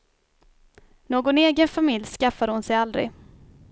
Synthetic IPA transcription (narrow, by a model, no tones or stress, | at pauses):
noːɡʊneːɡənfamɪljskafːad̪əhʊnsɛjald̪ɾɪ̰